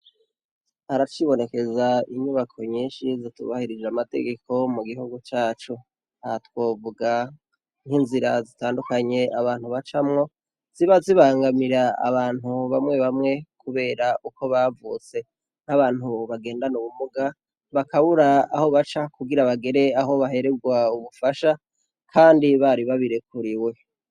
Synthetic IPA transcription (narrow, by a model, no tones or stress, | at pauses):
haɾat͡ʃiβo̞ne̞ke̞zaiɲuβakʰoɲiːnʃizitṵβahiɾid͡ʒamate̞̰ɡe̞kʰo̞muɡihuɡut͡ʃaːt͡ʃo | aatwo̞ːvuɡa | n̥hinziɾazitaːndukaɲe̞aβaːn̥huβat͡ʃamŋo̞ | z̥iβaziβaːŋɡamiɾaa̰βaːnhuβamŋe̞βamŋe̞kuβe̞ːɾaʔuko̞βavṵːt͡se̞ | n̥aβaːn̥huβaɡe̞ːndanuβumuɡa | βakaβuɾaaho̞βat͡ʃakuɡiɾaβaɡe̞ɾe̞aɦo̞βaɦe̞ɾeɡwauβufaʃa | kʰaːndiβaɾiβaβiɾe̞kuɾiwe̞